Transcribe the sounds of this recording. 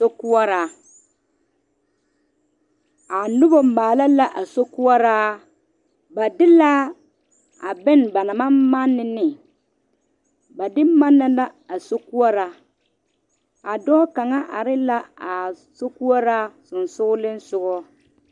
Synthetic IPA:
so˦ku˦ɔ˦ɾa˨˦ | a˨nʊ˦bɔ˨m̩˨maː˨la˦la˦ʔa˨so˦ku˦ɔ˦ɾaː˦ | ba˨dɪ˦la˦ | a̰˨bɪ˦nba˨na˨ma˦mːa˦nːɪ˨nɪ˨ | ba˨dɪ˦ma˦nːa˦la˦a˨so˦ku˦ɔ˦ɾa˦ | a˨dɔː˦ka˨ŋa˦ʔa˨ɾɪ˦la˦a˨ | so˦ku˦ɔ˦ɾa˦sʊ˨n˨sʊ˦ʊ˦lɪ˦nsʊ˨ɡɔ˦

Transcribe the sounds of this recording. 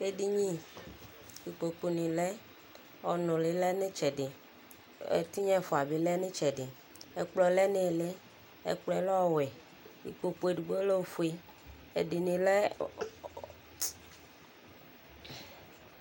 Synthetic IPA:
e˦ɖi˦ɲĩ˦ | wi˨k͡po˨k͡po˨nĩ˨lɛ˦ | ɔ˨nõ˨le˨lɛ˦nẽ˦t͡ʃɛ˨ɖe˨ | ḛ˨t̪u˦ɲɛ̃˦˨fo˨a˨be˨lɛ˦nẽ˦t͡ʃɛ˨ɖe˨ | e˦k͡plɔ˦˨lɛ˦nẽ˦˨le˦ | ḛ˦k͡plɔ˦ɛ˨˦lɔ˦ɔ˦wɛ˨ | wḭ˨k͡po˨k͡po˦e˨ɖu˨ɡ͡bo˦lo˦˨fo˦e˦ | ḛ˨de˨nĩ˨lɛ˦

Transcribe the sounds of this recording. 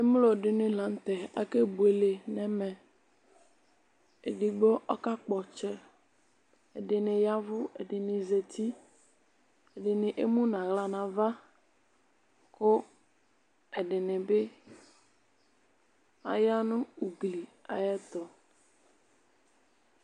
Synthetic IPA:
ɪ˦m˦lo˨dɪ˨nɪ̃˨la˨n˦t̪ɛ˨a˨ke˦bu˨e˨le˨nɛ̃˦mɛ˨ | e˨dɪ˨ɡ͡bo˦ʔɔ˦ka˦k͡pɔ˨t͡ʃɛ˦ | ɛ˨dɪ˨nɪ̃˨ja˦vʊ˦ɛ̰˨dɪ˨nɪ̃˨ze˨t̪ʰi˦ | ɛ˨dɪ˨nɪ̃˨ʔe˦mũ˦nã˨ɣla˨nã˨va˦ | kʊ˦ | ɛ˨ɖɪ˨nɪ̃˨bɪ˦ | a̰˨ja˦nʊ̃˦u˨ɡli˨a̰˨jɛ˦t̪ɔ˨

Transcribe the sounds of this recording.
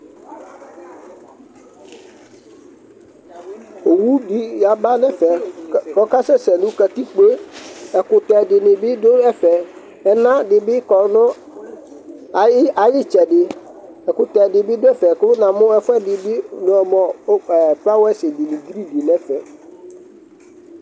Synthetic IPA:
o˨wu˦di˨ja˨ba˦nɛ˦fɛ˨kɔ˨˦ka˦sɛ˦sɛ˨nʊ̃˦ka˨ti˦k͡pe˦ɛ˨kʊ˨tɛ˨dɪ˨nɪ̃˨bɪ˦do˦ɛ˦fɛ˨ | ɛ˨nã˦dɪ˨bɪ˦kɔ˨nʊ̃˦˨˦ | a˨jɪ˦t͡ʃɛ˨dɪ˨ | ɛ˨kʊ˨tɛ˨dɪ˨bɪ˦dʊ˦ɛ˦fɛ˨kʊ˦nã˨mʊ̃˦ɛ˦fʊ˦ɛ˦dɪ˨bɪ˦nʊ̃˨ɛ˨mɔ̃˨˦ɛ˨pa˦wɛ˦sɪ˨dɪ˨nɪ̃˨ɡi˦ɾi˦di˨nɛ̃˦fɛ˨

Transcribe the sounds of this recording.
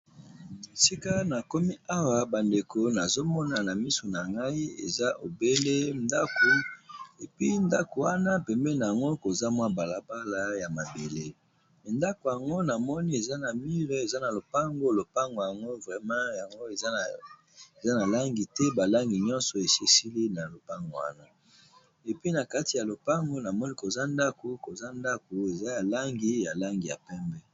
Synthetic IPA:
si˦ka˦na˨ko˦mi˦a˦wa˨ba˨nde˨kʰo˨na˨zo˦mɔ˦na˨na˨mi˦so˨na˨ŋɡa˦i˦ḛ˨za˦ʔo˨be˦le˦nda˦ko˨e˨pi˦nda˦ko˨wa˦na˦pɛ˨mbɛ˦na˨a˨ŋɡo˦ko˨za˦mwa˦ba˨la˨ba˦la˨ja˨ma˨be˨le˦˨ | nda˦ko˨ja˨ŋɡo˦na˨mɔ˦ni˦e˨za˦na˨mi˦ʁe˦e˨za˦na˨lo˨pa˦ŋɡo˦lo˨pa˦ŋɡo˨ja˨ŋɡo˦vʁɛ˦mã˦ja˨ŋɡo˦e˨z | e˨za˦na˨la˦ŋɡi˨tɛ˦ba˨la˦ŋɡi˨ɲɔ̃˦nsɔ˨e˨se˦˨si˦li˦na˨lo˨pa˦ŋɡo̰˨wa̰˦na˦ | e˨pɥi˦na˨ka˦ti˨ja˨lo˨pa˦ŋɡo˦na˨mɔ˦ni˦ko˨za˦nda˦ko˨ko˨za˦nda˦ko˨e˨za˦ja˨la˦ŋɡi˦ja˨la˦ŋɡi˨ja̰˨pɛ˦mbɛ˦

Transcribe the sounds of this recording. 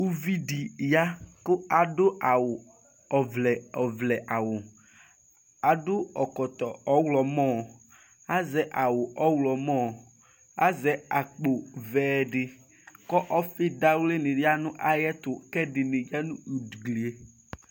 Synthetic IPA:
u˦vi˦di˨ja˦kʊ˦a˨dʊ˦a˨wʊ˨ | ɔ˨vlɛ˨ɔ˨vlɛ˨ʔa˨wʊ˨ | a˨dʊ˦ɔ˨kɔ˨t̪ɔ˨ɔ˦wlɔ˨mɔ̃˦˨ | a˦zɛ˨˦ʔa˨wʊ˨ʔɔ˦wlɔ˨mɔ̃˦˨ | a˦zɛ˨˦a˨k͡po˨vɛː˨ɖɪ˨ | kɔ˦ʔɔ˦fɪ˦da˦wle˦nɪ˨ɖɪ˦a˦nʊ̃˦ʔa˦jɛ˦t̪ʊ˨kɛ˦dɪ˨nɪ˨d͡ʒa˦nũ˦u˨dɡli˨e˨

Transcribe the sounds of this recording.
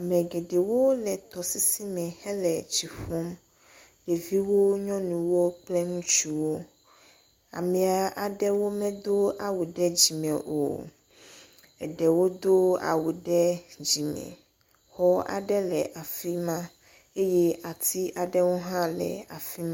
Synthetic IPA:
a˨mɛ̃˨ɡe˨ɖe˨wo˦lɛ˨t̪ɔ˨si˦si˦mɛ̃˨hɛ˦lɛ˨t͡ɕi˨ɸɔ˦m | le˨vi˦wo˦ɲɔ̃˦nũ˨wo˦k͡plɛ˦ŋũ˦t͡ʃu˦wo˦ | a̰˨mɛ̃˨a˨ʔa˨ɖɛ˦wo˦mɛ̃˦d̪o˦a˨wu˨ɖɛ˦d͡ʑi˨mɛ̃˨ʔo̰˨ | ɛ̰˨ɖɛ˨wo˦d̪o˦a̰˨wu˨ɖɛ˦d͡ʑi˨mɛ̰̃˨ | hɔ˦a̰˨ɖɛ˦lɛ˨ʔa˨fi˦mã˦ | e˦jɛ˦a˨t̪ʰi˦ʔa˨ɖɛ˦wo˦ɦã˦lɛ̰˨a̰˨fi˦mã˦

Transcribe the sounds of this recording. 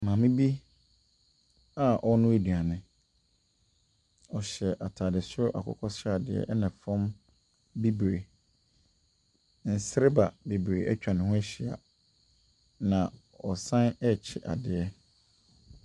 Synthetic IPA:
mãː˨mɪ̃˦bi˦ | a˨ʔɔ˦nʊ̃˦e˨dɥa˨nɪ̃˦ | ɔ˨ɕɛ˨ʔa˨tʰaː˨dɪ˨sʊ˦ʊ˦ʔa̰˨kʰɔ̰˦kʰɔ˦sa˨dɪ˨ɛ̰˦˨ʔɛ˦nã˨fɔ̃˦m | bi˦bɾe˨ | n̩˨sɪ˦ɾɪ˦ba˨bi˨bɾe˨ʔɛ˦t͡ɕᶣa˨nɪ̃˨hʊ̃˦ɛ˦ɕi˨a̰˨ | nã˨ | ɔ˨sã˦nɛ˦˨t͡ɕʰɪ˦˨ʔa̰˨dɪ˨ɛ˦

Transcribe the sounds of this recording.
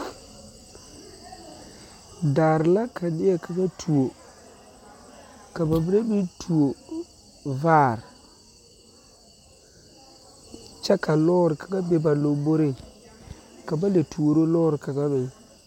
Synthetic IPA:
daː˨ɾla˦ka˨nɪ˦a˦˨ka˨ɡa˦tʰu˨o˨ | ka˨ba˨bi˦ɾe˦bi˦tʰu˨o˨ | vaː˦˨ɾ | t͡ʃɛ˦ka˨lɔː˦ɾɪ˨ka˨ɡa˦be˦ba˨lo˨bo˦ɾɪ˦˨ | ka˨ba˦le˨tu˨o˨ɾo˦lɔː˦ɾɪ˨ka˨ɡa˦mɪ˨˦

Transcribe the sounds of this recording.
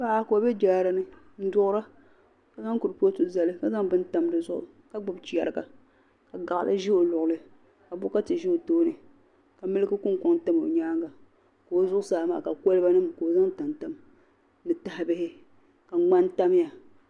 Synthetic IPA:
ba˦a˦ko˨˦be˦d͡ʒaː˨˦˨ɾa˨nɨ˦ | n̩˦dʊ˦ʔʊ˦ɾa˦ | ka˨za˦ŋku˨ɾpo˦tu˨za˨lɨ˦ka˨za˦ŋbɨ˦n˦ta˨mdɨ˨zʊ˦ʔʊ̰˨ | ka˦ɡ͡bʊ˨bt͡ʃi˦˨a̰˨ɾɨ˨ɡa̰˨ | ka˨ɡa˨ʔlʔɨ̰˦ʒi˦o˨lʊ˨ʔʊ˨lɨ˦ | ka˨bʊ˦ka˦tɨ˨ʒi˦o˨toː˦nɨ˨ | ka˨mɨ˦lɨ˦ɡɨ˦kʊ˦ŋkʊ˦ŋ˦ta˦mo̰˨ɲaː˦ŋɡa˨ | ko˨o˨zʊ˦ʔʊ˦saː˦˨ma̰ː˦˨ka˨ko˦lɨ˦ba˦nɨ˦mko˨o˨za˦ŋ˦ta˨nta˦m | nɨ˨ta˨ha˦bɪ˦hɪ˦ | ka˨˦ŋ͡ma˦nta˦m˦ja˨

